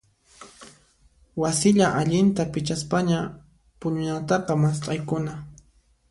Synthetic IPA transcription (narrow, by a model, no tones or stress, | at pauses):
wasɪʎaʔaʎɪnt̪apɪt͡ʃaspaɲa | pʊɲʊnat̪ɑqɑmast̪ʼɑjkʊna